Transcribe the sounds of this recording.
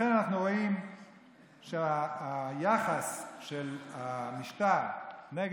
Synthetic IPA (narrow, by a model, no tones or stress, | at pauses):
enanaχnuʁoim | ʃeajaχasʃelamiʃtaʁneɡ